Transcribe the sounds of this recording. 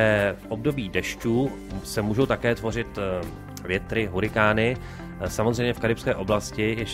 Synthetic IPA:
ɛfʔo̞b̚do̞biːdɛʃcuː | sɛmuːʒowt̪akɛːt̪vo̞r̝ɪt̪ | vjɛt̪ɾɪɦuɾɪkaːnɪ | samozrɛjmɲɛfkaɾɪpskɛːʔo̞blascɪjɛʃ

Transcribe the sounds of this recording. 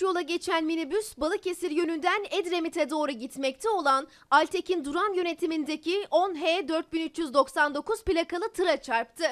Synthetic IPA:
jo̞lˠaɟe̞t͡ʃʰænminibysbalˠɯce̞siɾjø̞nynd̪ænɛd̪ɾemit̪ʰɛd̪o̞ːɾuɟit̪mɛc̚t̪ʰɛo̞lˠan | alʲt̪ʰe̞cind̪uɾanjø̞ne̞t̪ʰimind̪ecʰio̞nɦeːd̪øɾt̪̚binyt͡ʃjyzd̪o̞ksand̪o̞kuz̥pilʲakalˠɯt̪ʰɯɾat͡ʃʰaɾp̚t̪ʰɯ

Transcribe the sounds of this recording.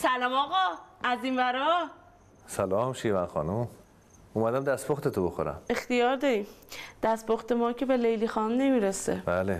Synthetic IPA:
sælɒmɒːɣɒæzinvæɾɒ | sælɒːmʃivænxɒ̰ːnum | umæd̪æmd̪æst̪boxt̪et̪obexo̰ɾæ̰me̞xt̪ijɒːɾd̪ɒːɾiːmd̪̥æst̪boxt̪e̞mɒːcʰe̞be̞lejlixɒːnne̞miːɾesḛb̥æːle

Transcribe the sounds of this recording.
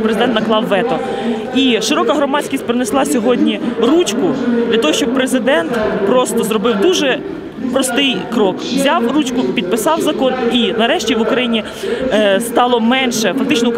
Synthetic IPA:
pɾezɪd̪ɛnt̪nɐklˠɑwːɛt̪ɔ | iʃɪɾɔkɐɦɾɔmɑt͡sʲkʲisʲt̚ʲpɾɪneslˠɑsʲɔɦɔdʲnʲirut͡ʃkʊd̪lʲɐt̪ɔɦɔʃt͡ʃɔb̚pɾezɪd̪ɛnt̪pɾɔst̪ɔzɾɔbɪwd̪uʒɛ | pɾɔst̪ɪjkɾɔkʋzʲɑwrut͡ʃkʊpʲid̪̚pɪsɑwzɐkɔninɐɾɛʃtʲiʋʊkɾɐjinʲi | st̪ɑlˠɔmɛnʃɛfɐk̚t̪ɪt͡ʃnɔ

